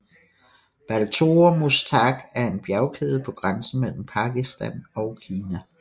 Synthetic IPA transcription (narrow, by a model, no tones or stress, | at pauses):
b̥ælt͡sʰo̝ɐmust͡sʰɑɡ̥æɐe̝nb̥jæʊkʰeːð̞ˠpʰɒ̽ɡ̥ʁansn̩mel̰m̩pʰɑ̈ɡ̥isd̥ænɒ̽ʊkʰiːnæ